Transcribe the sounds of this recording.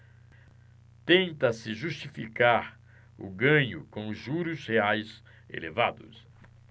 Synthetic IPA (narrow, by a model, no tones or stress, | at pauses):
t̪ẽnt̪ɐsɪʒust͡ʃifikaɾ | ʊ̰ɡɐ̃ɲʊkõʒuɾʊsheajz | ḛlevad̪ʊs